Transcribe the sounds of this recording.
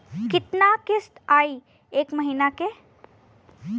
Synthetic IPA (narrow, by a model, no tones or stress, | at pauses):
kɪt̪nakɪst̪aːi | eːkmɐɦiːnake